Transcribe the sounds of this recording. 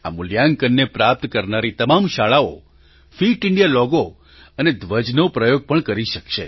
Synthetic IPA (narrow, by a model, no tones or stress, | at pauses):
a̰mʊljaŋkənːepɾap̚t̪kəɾnaɾit̪əmamʃaɭao | fiʈɪɳɖijalɔɡo | əned̪ʋəd͡ʒnopɾəjoɡ̚pəɳkəɾiʃəkʃe